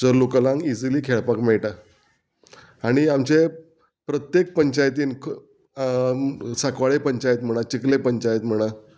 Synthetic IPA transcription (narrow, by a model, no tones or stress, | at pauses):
d͡zəɾlukəlãŋɡid͡ziliːkʰeɭpakmeɭʈa | aɽ̃iamt͡ɕe | pɾət̪jek̚pəɲt͡ɕajt̪iːnkʰ | sakʋaɭepəɲt͡ɕajt̪m̤əɽ̃at͡ɕiklepəɲt͡ɕajet̪m̤əɽ̃a